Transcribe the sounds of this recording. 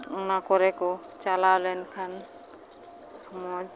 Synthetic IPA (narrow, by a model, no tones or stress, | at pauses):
unakɔɾɛkɔ | t͡ʃalawlɛnkʰan | mɔd͡ʒ